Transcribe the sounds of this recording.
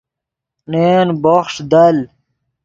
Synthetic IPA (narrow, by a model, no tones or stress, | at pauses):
nenboχʂd̪ɐl